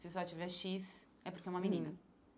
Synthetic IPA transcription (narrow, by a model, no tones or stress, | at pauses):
sɪsɔt͡ʃivɛʃis | ɛpoɾkeɛũmɐ̃minĩnɐ